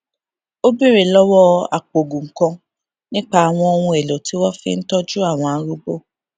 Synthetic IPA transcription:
o˦bi˦ɾe˨lɔ˦wɔ˦a̰˨k͡po˨ɡũ˨ŋ̩˨kɔ̃˧ | nĩ˦k͡pa˦a˨w̃ɔ̃˧o˧wũ˧e˨lo˨ti˦wɔ˦fḭ˦n̩˦tɔ˦d͡ʒu˦a˦˨w̃ɔ̃˨a˦ɾu˦bo˦

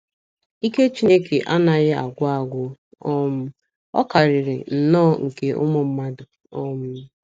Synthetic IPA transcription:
i˦ke˦t͡ʃi˦ne˦ke˨ʔa˦na˨ɣɪ˦a̰˨ɡʷʊ˦a˨ɡʷʊ˦ | ɔ˦m̩˦ | ɔ̰˦ka˨ɾɪ˨ɾɪ̰˨n̩˨nɔː˦˨ŋ̩˨ke˦ʔʊ̰˦mʊ˦m̩˦ma˦dʊ˨ | ɔ˦m̩˦

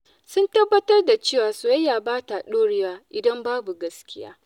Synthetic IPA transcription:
sʊ˦ntɐ˦bːɐ˦tɐ˦rda˨t͡ʃeː˦˨waː˨so˨jɐ˦jːaː˨baː˦ta˨ɗoː˦ɽɪ˦waː˦ʔɪ˨dɐ˦mbaː˦bu˨ɡɐ˦skʲɪ˦ja̰ː˦

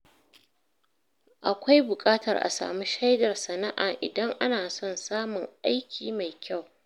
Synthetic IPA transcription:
ʔa˨kʷa˦jbʊ˨kʼaː˦tɐ̰˨rʔa̰˨sa̰ː˨mu˦ʃa˦jdɐ˨rsɐ˨na˦ʔaː˨ʔɪ̰˨dɐ˦ŋʔa˦naː˨sɔ˦nsaː˦mʊ˨ŋʔa˦jkʲiː˨ma˨jkʲa˦˨w

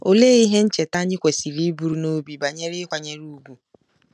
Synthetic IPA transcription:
o˨leː˦i˦ɦe˦n̩˦t͡ʃe˨ta˦ɲɪ˦kʷe˨si˨ɾi˦bu˦ɾu˨˦no˦bi˨ba˨ɲe˦ɾɪ˦kʷa˨ɲe˦ɾu˦ɡʷu˨

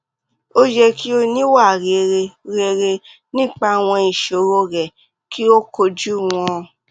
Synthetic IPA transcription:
o˦d͡ʒɛ˧ki˦o˧nĩ˦wa˦˨ɾe˨ɾe˧ɾe˧ɾe˧ | nĩ˦k͡pa˧˨w̃ɔ̃˧i˨ʃo˨˦ɾo˧˦ɾɛ˨ | kʰi˦o˦ko˧d͡ʒu˦˨w̃ɔ̃˦˨

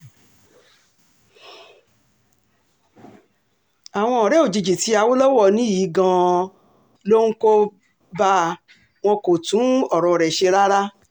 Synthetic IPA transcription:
a˨w̃ɔ̃˧ɔ˨ɾɛ˨˦o˨d͡ʒi˧d͡ʒi˨ti˨˦a˧wo˦lɔ˦wɔ˦˨nĩ˨˦ji˨˦ɡã˧ | lo˦ŋũ˦ko˦ | ba˦˧ | w̃ɔ̃˧ko˨tũ˨˦ɔ˦˨ɾɔ̃˧˨ɾɛ˨ʃe˧ɾa˦ɾa˦

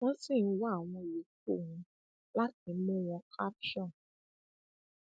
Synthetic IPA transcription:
w̃ɔ̃˦sĩ˦˨n̩˦wa˦˨w̃ɔ̃˧˨i˨˦k̚o˦˨hũ˧ | la˦t̚ĩ˧˦mũ˦w̃ɔ̃˧kʰa˦pʃɔ̃˦˨

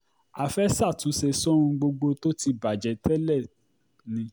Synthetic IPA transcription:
a˨fɛ˦sa˦˨tũ˨˦sɛ˧sɔ̃˦ɾũ˧ɡ͡bo˧ɡ͡bo˧to˦ti˧ba˨d͡ʒɛ˨˦tɛ˦lɛ˦˨ | nĩ˧˦

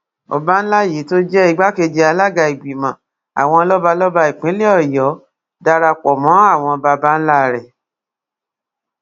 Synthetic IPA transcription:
ɔ̰˧ba˦n̩˦la˦˨ji˨˦to˦d͡ʒɛ˦i˧ɡ͡ba˦ke˧d͡ʒi˧a˧la˦ɡa˧˨i˨ɡ͡bi˨mã˨˦ | a̰˨w̃ɔ̃˧lɔ˦ba˧lɔ˦ba˧i˨k͡pĩ˨˦le˦ɔ˦˨jɔ˨˦ | da˧ɾa˧k͡pɔ˨mɔ̃˨˦a˦˨w̃ɔ̃˧ba˧ba˦n̩˦la˦˨ɾɛ˨

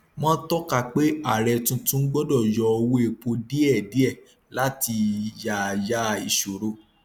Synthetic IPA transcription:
mɔ̃˦tɔ˦ka˧k͡pe˦a˦˨ɾɛ˧tũ˧tũ˦n̩˦ɡ͡bɔ˦dɔ˦˨jɔ˧o˧wo˦e˧˨k͡po˧di˦ɛ˦˨di˨˦ɛ˦˨ | la˦ti˧ja˨ja˦˧i˨ʃo˨ɾo˧˦

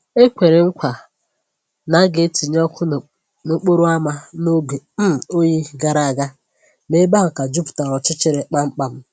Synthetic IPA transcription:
e˦kʷe˨ɾe˨ŋ̩˦kʷa˨ | na˨˦ɡe˦ti˨ɲ˦ɔ˦kʰʊ˦˨ | no˦k͡po˦ɾu˦a˦ma˦no˦ɡe˨m̩˦˨o˦ɲi˦ɡa˨ɾa˨a˨ɡa˦ | ne˦ba˦a˨ka˨d͡ʒu˦pʊ̥˨ta˨ɾɔ˨t͡ʃɪ˦t͡ʃɪ˦ɾe˨k͡pa˦ŋ͡m̩˦k͡pa˨m̩˦

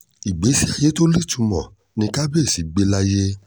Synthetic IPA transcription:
i˨ɡ͡be˨˦si˦a˧je˦to˦li˦˨tũ˧mɔ̰̃˨ | nĩ˧ka˦be˦˨si˨˦ɡ͡be˧la˦je˦

